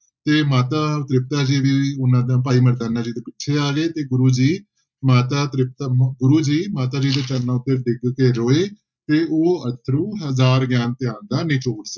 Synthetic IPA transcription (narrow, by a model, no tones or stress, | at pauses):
t̪eːmaːt̪aːt̪ɾɪp̚t̪aːd͡ʒiːʋiːʊnãːd̪ãːpaːiːməɾd̪aːnaːd͡ʒiːt̪eːpɪtːʃʰeːaːɡeːt̪eːɡʊɾuːd͡ʒiː | maːt̪aːt̪ɾɪp̚t̪aɡʊɾuːd͡ʒiːmaːt̪aːd͡ʒiːd̪eːt̪əɾnãːʊd̪əɾd̪ɪkkeːɾoːeː | t̪eːʔoːət̪ʰəɾũːɦəzaːɾɡjaːnt̪ɪaːnd̪aːnĩːt͡ʃʰoːɽs